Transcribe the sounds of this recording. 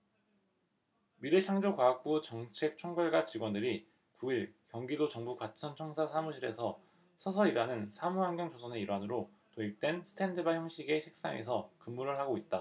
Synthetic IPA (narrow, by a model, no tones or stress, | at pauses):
miɾeɕʰaŋd͡ʑokwaak̚p͈ut͡ɕʌŋt͡ɕʰe̞k̚t͡ɕʰoŋɡʌɭɡat͡ɕiɡwʌndɯɾi | kuiɭkjʌŋɡidot͡ɕʌŋbukwat͡ɕʰʌnt͡ɕʰʌŋsʰasʰamuɕʰiɾe̞̰sʰʌ | sʰʌsʰʌiɾanɯnsʰamuɦaŋɡjʌŋd͡ʑosʰʌne̞iɾwanɯɾo | toik̚t͈we̞nsʰɯ̥tʰe̞ndɯbaçjʌŋɕʰiɡe̞ɕʰik̚s͈a̰ŋḛsʰʌkɯmːuɾɯɭhaɡoit̚t͈a